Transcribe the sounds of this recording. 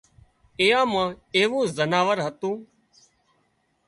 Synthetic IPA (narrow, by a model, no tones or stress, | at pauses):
eːãːmãːeːʋũːzənaːʋəɾɦət̪ũː